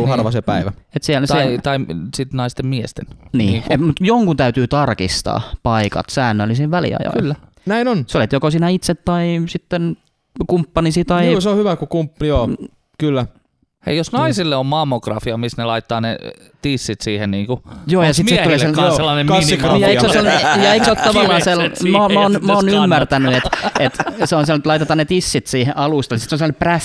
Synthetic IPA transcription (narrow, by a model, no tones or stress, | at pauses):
ɑrʋɑsepæiʋæet̪siælset̪ɑisit̪nɑist̪emmiest̪ennḭːemut̪joŋkunt̪æyt̪yːt̪ɑrkist̪ɑ̰ːpɑikɑ̰t̪sæːnːølːˑisiːʋʋælḭɑ̰jo̰ylːæ | næinonseolit̪jokosiːnæit̪set̪tɑisit̪ːen | kumpːɑnisit̪ɑikoseohyʋækukumpːjoː | kylːæ | ḛijosnɑisilːeommɑmːokrɑfiɑmisnelɑit̪ːɑːnḛ | t̪isːit̪siːhenniːŋkujoːjɑsit̪seuleːˑselɑselːɑnemnjɑiksoselnejɑikseot̪ːɑʋɑlːɑselmomæonmæonymːært̪ænyet̪et̪seonselet̪lɑit̪et̪ɑːnet̪isːit̪siːheʔɑluˑst̪ɑnisi̥t̪sonselːnepræs